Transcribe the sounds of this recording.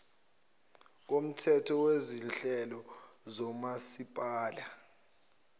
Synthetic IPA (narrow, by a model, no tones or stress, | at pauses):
k̬om̩tʰɛtʰɔwezinɬɛlɔ | zɔmasipʼaːla